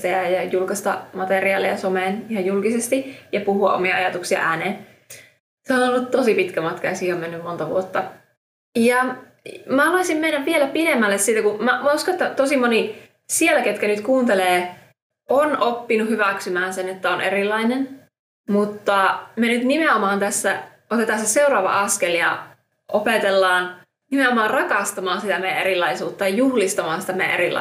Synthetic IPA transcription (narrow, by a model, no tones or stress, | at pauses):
t̪æjæjɑjulkɑst̪ɑ̰mɑt̪eriɑːlejɑsomeːnihɑjulkisest̪ijɑpuhuɑ̰ʔo̰miɑɑjɑt̪uksiɑ̰ʔæːneːn | seonolːut̪t̪osipit̪kæmɑt̪kɑjɑsihomenːymmont̪ɑʋṵot̪ːɑ | jɑ | mæɑluɑisimmenːæpʋielæpinemːælːessiːt̪ækumæmɑuskonet̪ːæt̪osimoni | sielæket̪kænyt̪kuːnt̪eleː | onopːinuhyʋæksymæːnsenet̪ːæonʔeɾilːɑinen | mut̪ːɑmenyt̪nimeomɑːnt̪æsːæ | ot̪et̪ɑːnseseuɾɑːʋɑ̰ʔɑskeljɑ̰ | ʔopet̪elːɑːn | nimeomɑːrrɑkɑst̪ɑmɑːnsit̪æmejæ̰ʔeɾilːˑɑisuːt̪ːɑjɑjuhlist̪ɑmɑːnsi̥t̪æmejæ̰ʔeɾilɑ̰